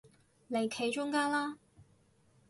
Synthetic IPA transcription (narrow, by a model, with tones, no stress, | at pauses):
le˨˩jkʰe˨˧˥jt͡ʃʊ˥ŋkaː˥nlaː˥